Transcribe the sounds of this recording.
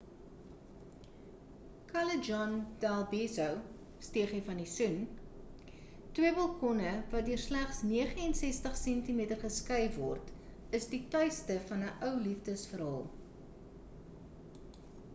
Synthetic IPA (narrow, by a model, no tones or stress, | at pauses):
kʰɐləd͡ʒɔnd̥ælˠbisəw | stiəχɛfɐndisun | twiəbɐlˠkɔnəvɐt̚døərslæχsniəχəɛnsɛstəχsɛntimiətərχəskɛjvɔrt | əsditœɥstəfɐnəʔœwlifdəsfəɾɦɑːlˠ